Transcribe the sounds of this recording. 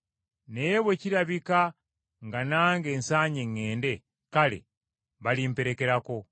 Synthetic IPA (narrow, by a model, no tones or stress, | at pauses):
nejeβwe̞ciɾaβika | ŋɡanaːŋɡe̞ːnsaːɲeŋːe̞ːnde̞ | kalḛ | βalimpe̞ɾe̞ke̞ɾako̞